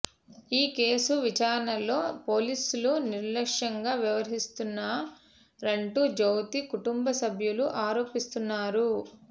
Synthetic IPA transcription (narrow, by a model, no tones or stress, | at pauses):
iːke̞ːsuʋit͡ʃaːɾɐnɐlo̞ːpo̞ːliːsuluniɾlɐkʂɐŋɡaːʋiʋɐɾɦist̪unːɐ | ɾeɳʈud͡ʒowt̪ikuʈumbɐsɐbʱjuluʔaːɾo̞ːpist̪unːaːɾu